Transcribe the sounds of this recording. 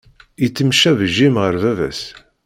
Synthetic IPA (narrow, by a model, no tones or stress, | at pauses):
it͡sːəmʃævəʒːimʁəɾvævæ̰s